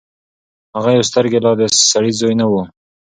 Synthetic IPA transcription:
haɣajaws̬t̪əɾɡelɑd̪esaɽizojnawu

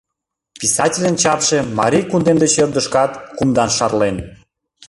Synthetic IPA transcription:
pisɑtʲilʲənt͡ɕɑpʃemɑ̰ɾʲijkund̪end̪et͡ɕerd̪əʃkɑt̪kumd̪ɑnʃɑrlen

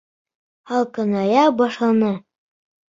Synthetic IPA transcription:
ɑlˠkɤ̆nɑjɑbɑʃlˠɑnɤ

